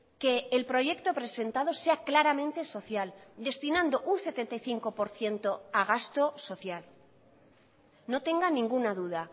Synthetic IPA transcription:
ke̞ːlpɾo̞ʝe̞kt̪o̞pɾe̞se̞nt̪að̞o̞se̞aklaɾamẽ̞nt̪e̞so̞θjald̪e̞st̪inãnd̪oʔunse̞t̪e̞nt̪ajθiŋko̞po̞ɾθje̞nt̪o̞aɣ̞ast̪o̞so̞θjal | no̞t̪e̞ŋɡanĩŋɡunaðuða

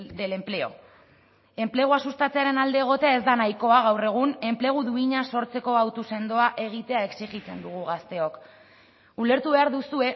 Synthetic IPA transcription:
d̪e̞le̞mple̞o̞̰ | e̞mple̞ɣuasust̪at͡se̞aɾe̞nald̪e̞ːɣ̞o̞t̪e̞ae̞zd̪anajko̞aɣ̞awre̞ɣ̞une̞mple̞ɣ̞uðuiɲaso̞ɾt͡se̞ko̞awt̪use̞nd̪oaʔe̞ɣ̞it̪e̞ae̞ksiɣit͡se̞nd̪uɣ̞uɣ̞ast̪e̞o̞k | ule̞ɾt̪uβe̞aɾðusue̞

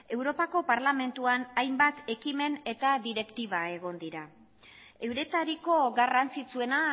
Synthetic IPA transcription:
e̞wɾo̞pako̞paɾlame̞nt̪uanajmbat̪e̞kime̞ne̞t̪aðiɾe̞kt̪iβ̞ae̞ɣ̞o̞nd̪iɾa | e̞wɾe̞t̪aɾiko̞ɡarant͡sit͡sue̞na

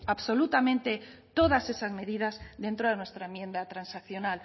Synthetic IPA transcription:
aβso̞lut̪amẽ̞nt̪e̞t̪o̞ð̞ase̞sazme̞ðið̞azðe̞nt̪ɾoð̞enwe̞st̪ɾaemje̞nd̪at̪ɾansakθjo̞nal

